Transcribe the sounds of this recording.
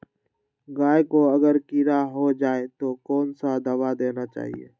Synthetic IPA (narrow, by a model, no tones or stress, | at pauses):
ɡaːekoəɡəɾkiɾaɦod͡ʒaːet̪okɔːnsad̪əbad̪eːnat͡ʃa̰ːɦḭḛː